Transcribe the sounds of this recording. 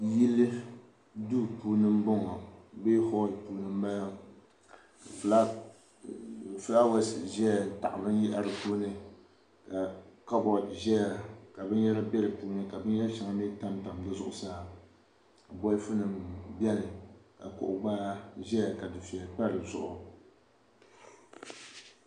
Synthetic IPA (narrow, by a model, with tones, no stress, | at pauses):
ji˦lːɨ˦ | du˦puː˨˦nɨ˦m˦bɔ˦ŋɔ˨beː˦hɔ˦˨puː˨nɨ˦m˦ba˦ja˦˨ | fɨ˨la˦˨ | fɨ˦la˦wa˦sɪ˨ʒɛ˦a˨ta̰˨ʔa˨bɨ˦n˦ji˦ʔa˨ɾɨ˨puː˦nɨ˦ | ka˨ka˦bɔ˨ʒɛ˦ja˨ka˨bɨ˦njɛ˦la˦bɛ˦ɾɨ˨puː˦nɨ˦ka˨bɨ˦n˦jɛ˦ʃa˨ŋa˦mi˦ta˦mta˨mdɨ˦zʊ̰˦ʔʊ˨saː˦˨ | bɔ˦fɨ˦nɨ˨mbɛ˦nɨ˨ka̰˨kʊ̰˨ʔʊ˨ɡ͡baː˦ʒɛ˦ja˨ka˨dɨ˨fi˨ɛ˨k͡pa˦ɾɨ˨zʊ̰˨ʔʊ˨